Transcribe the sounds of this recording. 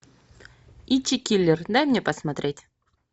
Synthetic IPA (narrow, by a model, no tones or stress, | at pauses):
it͡ɕʲːikʲilʲːɪrd̪ajmnʲepəsmɐt̪ɾʲetʲ